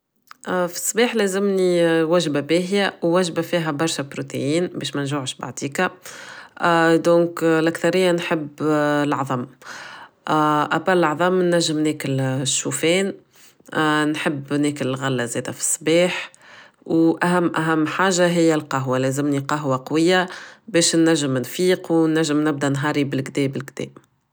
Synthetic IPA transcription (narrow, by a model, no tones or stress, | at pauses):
ʔfi̥sˤːbiːħlæːzɪmniwæʒbabɛːɦjawːæʒbafiːɦæbɑɾˤʃapɾot̪ḛjiːnbɛːʃmænʒuːʕʃba̰ʕd̪iːka | d̪õːklʔækθɑɾɪjːanħəbːlɑʕðˤɑmː | ʔæbɑllɑʕðˤɑmnæʒːɪmnɛːkɪlʃːuːfɛːn | nħəbːnɛːkɪlɪlɣælːazɛːd̪æfi̥sˤːbɛːħ | wʔæɦæmːʔæɦæmːħaːʒaɦɪjːælqɑɦwalɛːzɪmniqɑɦwaqɑwɪjːabɛːʃnːæʒːəmnfiːqwnːæʒːɪmnɪb̚d̪ænɦɑːɾibɪlɡd̪ɛːbɪlɡd̪̥ɛ̰ː